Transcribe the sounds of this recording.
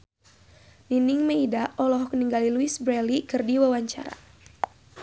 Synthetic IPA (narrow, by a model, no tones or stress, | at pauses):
niniŋməidaʔɔlɔɦɔkəniŋɡaliluisbɾɛlikɨrdiwawaɲt͡ʃa̰ɾa̰